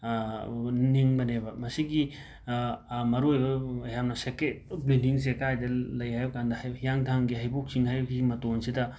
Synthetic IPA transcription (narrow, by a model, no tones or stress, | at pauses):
niŋbɐnebɐmɐsiɡi | mɐɾojbɐjamnɐseket̚bɾildiŋs̬ekajdɐlɐjajbɐkandɐjaŋtʰaŋɡiɦajbok̚siŋɦajbɡimɐtoŋsidɐ